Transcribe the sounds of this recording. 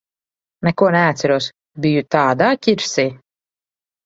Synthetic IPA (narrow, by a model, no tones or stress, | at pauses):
nɛkuɔnɛat̪sʲɛɾuɔs | bijut̪aːd̪aːkʲiɾsiː